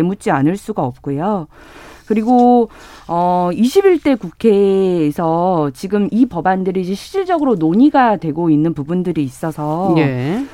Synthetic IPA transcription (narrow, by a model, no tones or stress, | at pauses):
emut͡ɕ͈ianɯɭs͈uɡaʌp̚k͈ujo | kɯɾiɡo | ʌiɕʰibiɭt͈e̞kukʰe̞ːsʰʌt͡ɕiɡɯmipʌbandɯɾid͡ʑe̞ɕʰid͡ʑ͈iɭd͡ʑʌɡɯɾonoɲiɡadwe̞ɡoinːɯnpubundɯɾiːs͈ʌsʰʌje